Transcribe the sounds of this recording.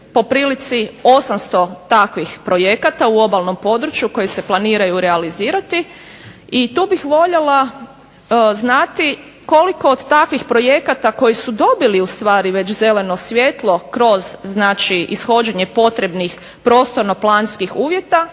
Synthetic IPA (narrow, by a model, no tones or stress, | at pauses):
po̞pɾiːlit̪sio̞samst̪o̞t̪akʋixpɾo̞je̞kat̪auo̞balno̞mpo̞d̪ɾut͡ʃjuko̞jese̞plˠaniːɾajuɾealiziːɾat̪i | it̪uːbixʋo̞ʎela | znat̪i | ko̞liko̞ːd̪t̪akʋixpɾo̞je̞kat̪ako̞jisud̪o̞biliust̪ʋaːɾiʋe̞t͡ɕze̞le̞no̞sʋʲje̞t̪lˠo̞kɾo̞zznaːt͡ʃiʔisxo̞d͡ʑeɲe̞po̞t̪ɾe̞bnix | pɾo̞ːst̪o̞ɾno̞plˠaːnskixuːʋje̞t̪a